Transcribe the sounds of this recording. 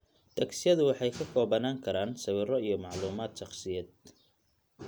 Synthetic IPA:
t̪ʰɐksɪjɐðʊwɑħɑjkʰɐkʰɔːβɐnaːŋkʰɐɾaːnsɐβɪrɔijɞmɑʕluːmaːd̪ʃɑχsɪjɐːd̪̚

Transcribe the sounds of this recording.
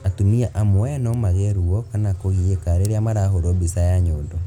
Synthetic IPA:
atuniaʔamoɛnɔmaɣɛɾuɔkanakoɣiekaɾeɾeamaɾahoɾobisajaɲoːndɔ

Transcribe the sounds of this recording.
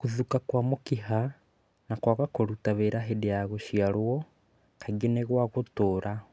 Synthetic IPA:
kuðukakwamokiɦa | nakwaɣakoɾutaβeɾaɦedejaɣoʃiaɾwɔ | kʰaɡeneɣwaɣotoːɾa

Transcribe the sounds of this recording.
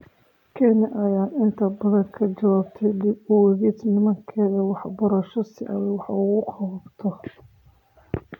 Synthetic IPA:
kʰɛnɛʔɐjaːnɪnt̪ʰɐbɐðɐŋkʰɐd͡ʒɐwaːbt̪ʰɛjlɪʊwɛɣid̪nɪmɐŋkʰɛːðɐwɑħbɐɾɐʃɔsɪʔɐ̰wɛwɑħɑuɣʊqʰɑbt̪ʰɔ

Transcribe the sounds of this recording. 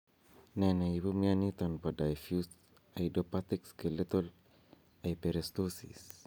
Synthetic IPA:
nanaibumianit̪anpadajfjus | ajdopat̪ikskelet̪ol | ajpeɾest̪osḭs

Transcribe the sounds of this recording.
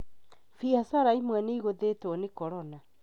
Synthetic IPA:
fihasaɾaimwɛneiɣoðetwɔnekɔɾɔna

